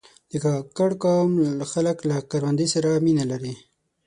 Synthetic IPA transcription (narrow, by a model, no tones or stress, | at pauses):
d̪əkakaɽkɑmxaləklakaɾwand̪isaɾaminalaɾi